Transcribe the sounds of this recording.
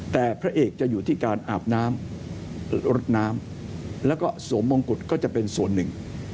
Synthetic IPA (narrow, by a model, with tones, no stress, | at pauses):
t̪ɛː˨˩pʰɾa˦˥ʔeː˨˩k̚t͡ɕa˨˩ʔjuː˨˩t̪ʰiː˥˩kaː˧nʔaː˨˩p̚naː˦˥m | ɾo˦˥t̪̚naː˦˥m | lɛː˦˥wkɔː˥˩su˩˦mːo˧ŋku˨˩t̪̚kɔː˥˩t͡ɕa˨˩ʔpe˧nsu˨˩ənːɯ˨˩ŋ